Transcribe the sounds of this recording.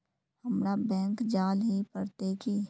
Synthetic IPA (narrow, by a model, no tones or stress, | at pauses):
həmɾabɛ̃ːŋkd͡ʒaːlɦipəɾt̪ekiː